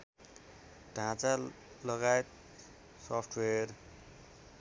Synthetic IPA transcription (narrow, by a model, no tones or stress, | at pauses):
ɖ̥ʱãt͡sa | lʌɡajet̪̚ | sʌpʰʈʰweʌr